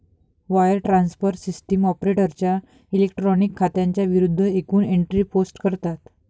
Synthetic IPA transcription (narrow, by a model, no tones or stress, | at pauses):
ʋajəɾʈɾansfəɾʈsisʈəmɔpɾeʈəɾt͡ɕja | ilek̚ʈɾɔnikʰːat̪jãɲt͡ɕjaʋiɾud̪ʱːəekuːneɳʈɾiposʈkəɾt̪at̪